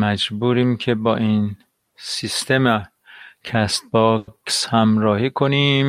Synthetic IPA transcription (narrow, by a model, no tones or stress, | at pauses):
mæd͡ʒbuːɾiːmcʰebɒːʔiːn | sist̪ʰeme | kʰæst̪̚bɒkshæmɾɒːhiːkʰoniːm